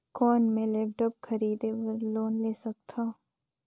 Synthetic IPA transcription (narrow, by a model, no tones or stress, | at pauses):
kɔːnmẽleːp̚ʈɔb̚kʰɐɾiːd̪eəɾloːnleːsɐk̚t̪ʰaː